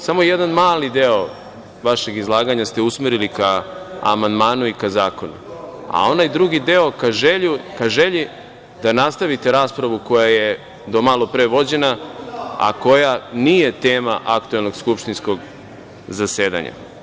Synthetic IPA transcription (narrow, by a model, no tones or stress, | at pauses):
samo̞jed̪anmaːlid̪eo̞ | ʋaʃe̞ɡizlˠaːɡaɲast̪e̞usmeɾilika̰ːmand̪maːnuikazaːko̞nṵa̰o̞najd̪ɾuɡid̪eo̞kaʒeʎukaʒe̞ʎi | d̪anast̪aʋit̪e̞ɾaːspɾaʋuko̞jaje̞ | d̪o̞malo̞pɾeʋo̞d͡ʑe̞na | a̰ko̞janije̞t̪eːmaʔakt̪uelˠno̞ɡskupʃt̪insko̞ɡ | zase̞ːd̪a̰ɲa̰